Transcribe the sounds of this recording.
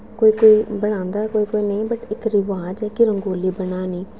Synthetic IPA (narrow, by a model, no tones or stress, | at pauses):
koːiːkoːiːbəɽ̃ãːnd̪aːkoːiːkoːiːnəĩːbəʈɪkɾɪʋaːd͡ʒɛːkɪɾəŋɡoːliːbəɽnaːniː